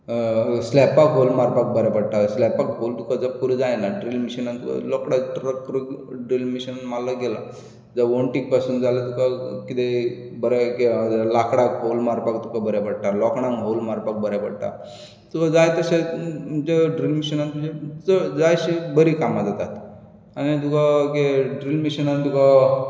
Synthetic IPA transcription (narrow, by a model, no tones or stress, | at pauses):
slɛpakɦolmaɾpak̚bəɾjapəɽʈ̪aslɛpakɦolt̪ukad͡zəpuɾid͡zajnaɖɾilmiɕənant̪uka̰lɔkɽaʈɾəkːɾukɖɾilmiɕənmalaɡɛla̰ | d͡zaʋoɳʈik̚pasuːnd͡zalat̪ukakit̪e | bəɾaked͡zlakɽakɦowlmaɾpakt̪ukabəɾjapəɽʈ̪alɔkɳãŋɦowlmaɾpak̚bəɾjapəɽʈ̪a̰ | t̪ukad͡zajt̪əɕad͡ʑeɖɾilmiɕənant̪ud͡ʑet͡səd͡zajɕibəɾikamad͡zat̪at̪ | anit̪̬ukakeɖɾilmiɕənant̪uka